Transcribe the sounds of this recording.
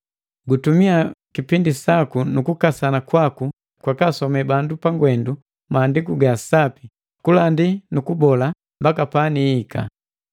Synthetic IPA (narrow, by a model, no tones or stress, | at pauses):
ɡutumiakipindisakunukukasanakwaku | kwakasɔmɛbandupaŋɡwɛndu | maːndikuɡasapi | kulandinukubɔla | mbakapaniːkʰa̰